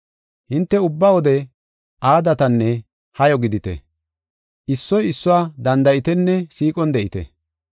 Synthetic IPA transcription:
hɪnt̪ːɛʊbːawɔd̪ɛ | ʔaːd̪ɐt̪ɐnːɛ | hɐjɔɡɪd̪ɪt̪ɛ̰ | ʔɪsːɔjɪsːʊwaːd̪ɐnd̪ɐjɪt̪ɛnːɛsiːkʼɔnd̪ɛʔɪt̪ɛ̰

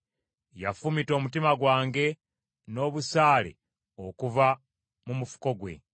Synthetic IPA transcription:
jafumito̞ːmutimaɡwaːŋɡe̞ | no̞ːβusaːlḛ | o̞kuva | mumufu̥ko̞ɡwe̞̰

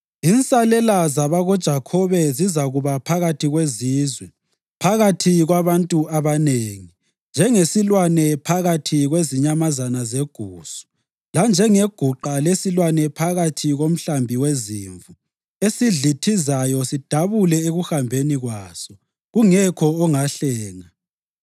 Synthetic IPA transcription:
insʼalɛlazaβaɣɔd̥ʒ̥ʱakʰɔβɛzizaɣuβapʰaɣatʰiɣweziːzwɛ | pʰaɣatʰiɣwaβantʼuaβaneːŋi | nd͡ʒʱɛŋesilwanɛpʰaɣatʰiɣweziɲamazanazeɡ̥ʱuːsu̥ | land͡ʒʱɛŋeɡ̥ʱuǃalesilwanɛpʰaɣatʰiɣom̩ɬambʱiweziːɱvu | esiɮitʰizajɔsid̥ʱaβulɛeɣuxambʱeniɣwaːsɔ | ɣuŋɛkʰɔɔŋaɬɛːŋa

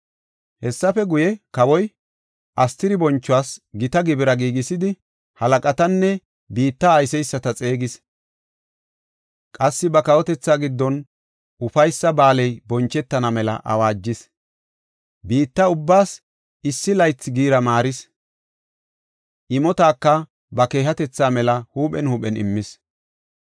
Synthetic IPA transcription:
hɛsːɐfɛɡʊjɛkɐwɔj | ʔɐst̪ɪɾɪbɔnt͡ʃːʊwaːsɡɪt̪ɐɡɪbɪɾɐɡiːɡɪsɪd̪ɪ | hɐlɐkʼɐt̪ɐnːɛ | biːt̪ːɐːjsɛjsːɐt̪ɐt͡sʼe̞ːɡɪs | kʼɐsːɪbɐkɐwɔt̪ɛt͡sːaːɡɪd̪ːɔn | ʔʊfɐjsːɐbaːlɛjbɔnt͡ʃːɛt̪ːɐnɐmɛlɐ̰ʔɐ̰waːd͡ʒːɪs | biːt̪ːɐʊbːaːs | ɪsːɪlɐjt͡sːɪɡiːɾɐmaːɾɪs | ʔɪmɔt̪aːkːɐ | bɐke̞ːɦɐt̪ɛt͡sːaːmɛlɐhuːpʼɛ̰nhuːpʼɛnɪ̰mːɪs

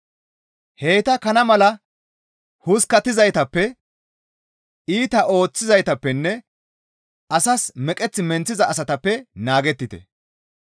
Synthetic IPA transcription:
he̞ːt̪ɐkɐnɐmɐlɐ | hʊskːɐt̪ːɪzɐjt̪ɐpːɛ | iːt̪ɐʔo̞ːt͡sːɪzɐjt̪ɐpːɛnːɛ | ɐsɐsmɛkʼɛt͡sːɪmɛnt͡sːɪzɐːs̬ɐt̪ɐpːɛnaːɡɛt̪ːɪt̪ɛ̰

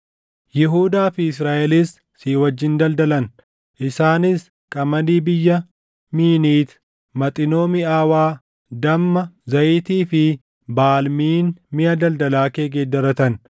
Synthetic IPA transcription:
jɪɦuːd̪aːfɪɪs̬ɾaːʔɛliːsː | iːwɐd͡ʒːɪnd̪ɐld̪ɐlɐn | ʔɪsaːnɪs | kʼɐmɐniːbɪjːɐ | miːniːt̪ | mɐt̪ʼɪno̞ːmɪaːwaː | d̪ɐmːɐzɐʔɪt̪iːfɪ | baːlmiːnmɪɐd̪ɐld̪ɐlaːkeːɡeːd̪ːɐɾɐt̪ɐn

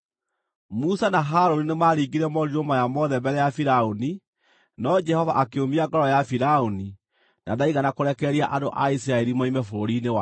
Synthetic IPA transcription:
musanaɦaɾoninemaɾiɡiɾɛmɔɾiomajamɔðɛmbɛɾɛjafiɾaoni | nɔd͡ʒɛhɔva̰ʔakeomiaɡɔɾɔjafiɾaoni | naðaiɣanakoɾɛkɛɾiaʔadoʔais̬ɾaɛɾimɔimɛfoɾoɾinewa

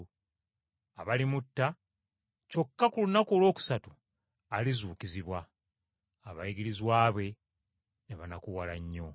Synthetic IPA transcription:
aβalimutːa | co̞kːakulunakoːlwo̞ːku̥satu̥ | alizuːkiziβwa | aβa̰jiɡiɾizwaːβwe̞ | neβanakuwalaɲːo̞

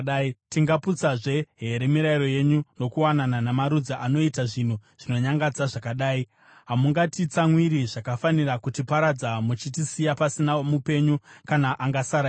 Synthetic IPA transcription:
aitiŋɡaput͡saʐe̞ɦe̞ɾe̞miɾaiɾo̞je̞ɲuno̞kuwanananamaɾud͡zaʔano̞itaʐin̤uʐ̥ino̞ɲaŋɡad͡zaʐakaɗaːi | ɦamuŋɡatit͡samwiɾiʐakafanirakutipaɾad͡zamut͡ʃitisijapasinamupe̞ɲukanaʔaŋɡasaɾa

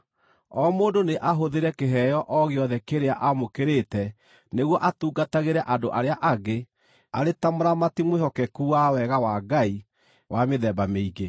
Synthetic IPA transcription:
ɔmoːndoneʔaɦoðeɾɛkeɦɛjɔʔɔɣeɔðɛkeɾeaʔamokeɾetɛ | neɣwɔʔatuːɡataɣeɾɛʔadoʔaɾeaʔaɡe | a̰ɾetamoɾamatimwehɔkɛkuwawɛɣawaɡai | wʔameðɛbameiɡe

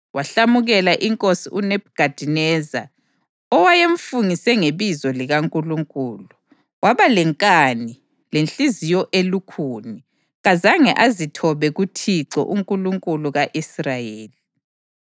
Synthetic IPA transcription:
wʔaɬamuɣɛlaʔiŋkʼosiʔunɛb̚ʱɡ̥ʱad̥ʱinɛza̰ | ɔwajeɱfuŋisɛŋeβizɔliɣaŋkʼuluŋkʼuːlu | waβalɛŋkʼani | lenɬizijɔʔelukʰuːni | ɣazaŋɛʔazitʰɔβɛɣutʰiǀɔ̰ʔuŋkʼuluŋkʼuluɣaʔisrajeːli

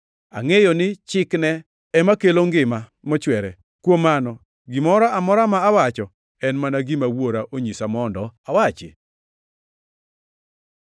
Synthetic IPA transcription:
a̰ŋejɔnɪt͡ʃɪknɛ | ɛmakeloŋɡɪma | mɔt͡ʃwɛɾɛ | kwomanɔ | ɡɪmɔɾaamɔɾamaːwat͡ʃɔ | ɛnmanaɡimawoɾaʔoɲisamɔndɔawat͡ʃɪ̰

